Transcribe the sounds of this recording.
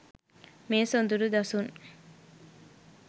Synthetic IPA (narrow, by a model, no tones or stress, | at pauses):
meːsond̪uɾud̪ɐsuŋ